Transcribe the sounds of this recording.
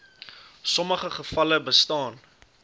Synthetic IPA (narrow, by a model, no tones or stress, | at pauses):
sɔməχəχəfɐləbəstɑːn